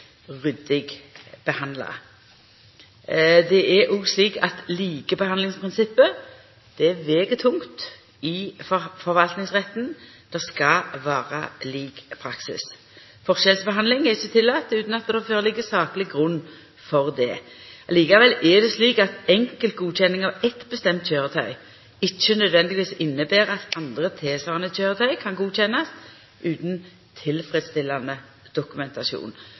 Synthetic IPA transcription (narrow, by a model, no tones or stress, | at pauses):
ʁʏd̪ɪɡb̥əhɑnd̪lɑ̰ | d̪ɛʔɛʔuɡsliːkɑ̰t̪liːɡəbəhɑnlɪŋspʰʁɪnsɪpːə | d̪̥ɛɛʋeːɡət̪ʰʊŋt̪ | ɪffɔʁʋɑlt̪nɪŋsʁɛt̪ːn̩ | d̪̥ɛskɑʋæːʁəliːkpʰɾɑksɪ̰s | fɔʁʃɛlsbəɦɑnd̪lɪŋɛʁɪçːət̪ʰɪlːɑːt̪ːʉːt̪n̩ɑt̪̚d̪ɛɛføːʁəlɪɡːəsɑːklɪɡʁʉnː | fɔʁd̪ɛ̰ːɑliːkɑʋɛlʔɛd̪ɛsliːkɑt̪ɛŋkəlt̪̚ɡuːɕʰɛnːɪŋɑʋɛt̪bəst̪ɛmt̪çøːʁət̪ʰœʏ | ɪçːənœd̪ʋɛnd̪ɪɡɪʋiːsɪnːəbæːɾɑt̪ɑnd̪ʁət̪ʰeːsʋɑːʁɑnəçøːʁət̪ʰœʏkʰɑnɡuːc͡çɛnːɑs | ʔʉːt̪n̩ | t̪ʰɪlfʁɛd̪st̪ɪlːɑnə | d̪̥ʊkʉmɛnt̪ɑʃṵːn